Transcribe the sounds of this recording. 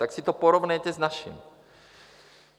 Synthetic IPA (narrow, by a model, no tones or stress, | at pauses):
t̪aksit̪opoɾovnɛjcɛznaʃḭm